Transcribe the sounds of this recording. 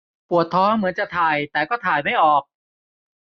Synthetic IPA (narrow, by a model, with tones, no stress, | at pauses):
pu˨˩ət̪ʰːɔː˧˥mɯ˩˦nt͡ɕa˨˩t̪ʰaː˨˩jt̪ɛː˨˩kɔː˥˩t̪ʰaː˨˩jma˥˩jʔɔː˨˩k̚